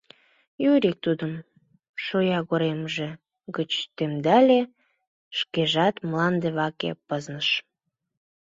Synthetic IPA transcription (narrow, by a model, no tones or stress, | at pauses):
jyɾik̚t̪ud̪əm | ʃojɑɣoɾemʒe | ɡət͡ɕt̪emd̪ælʲe | ʃkeʒɑt̪mlɑnd̪eβɑkḛpəznəʃ